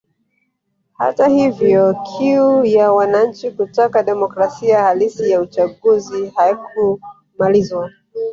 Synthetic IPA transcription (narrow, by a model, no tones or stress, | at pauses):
ha̰tahivjɔkʰiujawanaɲ̩t͡ʃikutakaɗɛmɔkɾasiahalisijaut͡ʃaɠuzihajiku | malizwa